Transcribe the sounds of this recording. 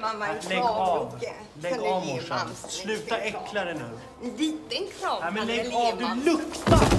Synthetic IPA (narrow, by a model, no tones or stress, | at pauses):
lɛɑv | lɛɡɑvmʊʂanslʉ̟ːt̪aɾɛkːlaɾənʉ̟ːɡ | amɛnlɛɡɑvd̪ɵlɵkt̪aɾ